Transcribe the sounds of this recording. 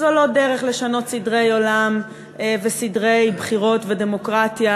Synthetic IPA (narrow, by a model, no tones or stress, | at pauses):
zolo̞deʁeχle̞ʃano̞tsidʁe̞jo̞lam | vesidʁe̞jbχiʁo̞tvede̞mo̞kʁatja